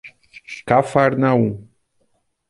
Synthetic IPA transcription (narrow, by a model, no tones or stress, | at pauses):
kafaɾnaũ